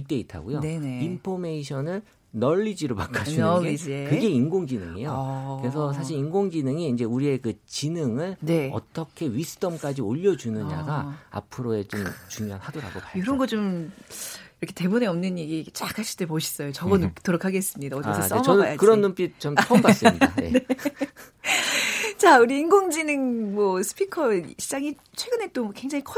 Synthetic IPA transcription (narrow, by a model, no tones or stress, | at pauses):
it͈e̞itʰa̰ɡojoneneinpʰome̞iɕʰʌnɯɭ | nʌɭːid͡ʑiɾomakʰainid͡ʑekɯɡe̞inɡoŋɡinɯŋe̞̰jokɯɾe̞s̬ʰʌsʰaɕʰiɾinɡoŋɡinɯŋiːnd͡ʑe̞uɾie̞kɯt͡ɕinɯŋɯɭneʌ̰t͈ʌkʰe̞ɥisʰɯ̥t͈ʌmk͈ad͡ʑioʎːʌd͡ʑunɯɲa̰ɡaa̰pʰɯɾoe̞t͡ɕomt͡ɕuŋjoanhadoɾa̰ɡoaoɾʌnɡʌt͡ɕom | iɾʌkʰe̞te̞muneʌmnɯɲeɡit͡ɕakʰaɕʰi̥t͈epoɕʰi̥s͈ʌjot͡ɕʌɡʌntoɾokʰaɡe̞s͈ɯmɲidaod͡ʑʌʌs͈emʌnaakɯɾʌnːomp͈ʰit͡ɕomʰʌmbas͈iia̰nḛne | t͡ɕauɾiːŋɡoŋd͡ʑinɯŋmʌsʰɯ̥pʰikʰʌɕʰid͡ʑaŋi | t͡ɕʰwe̞ɡɯne̞t͈omkwe̞ŋd͡ʑaŋikʰʌ